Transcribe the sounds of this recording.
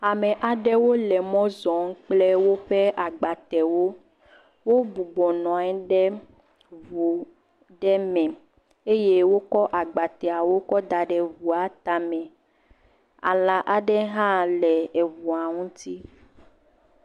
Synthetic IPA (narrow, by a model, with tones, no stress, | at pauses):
a˨mɛ̃˨ʔa˨ɖɛ˦wo˦lɛ˨mɔ̃˦zɔ˨˦ŋ̩˦k͡plɛ˦wo˦ɸe˦ʔa˨ɡ͡ba˨t̪ɛ˨wo˦ | wo˦bu˨ɡ͡bɔ˨nɔ̃˨ɛ˦ɖɛ˦ | vu˨ | ɖɛ˦mɛ̃˨ | e˦je˦wo˦kɔ˦ʔa˨ɡ͡ba˨t̪ɛ˨a˨wo˦kɔ˦d̪a˨ɖɛ˨vu˨a˨t̪a˨mɛ̃˨ | a̰˨lã˨ʔa˨ɖɛ˦ɦã˦lɛ˨e˨vu˨a˨ŋũ˦t̪i˦